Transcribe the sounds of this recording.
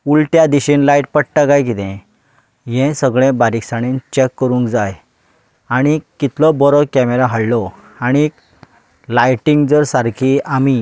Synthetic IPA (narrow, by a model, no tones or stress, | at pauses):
ulʈjad̪iɕĩnlajʈ̚pəɽʈaɡajk̬it̪ɛ̃ | jɛ̃səɡɭẽbaɾiksaɽ̃int͡ɕekːəɾũŋkd͡zaj | aɽ̃ikːit̪lɔbɔɾɔkɛmeɾaɦaɭlɔ | aɽ̃i | lajʈiŋɡd͡zəɾsaɾkʰiami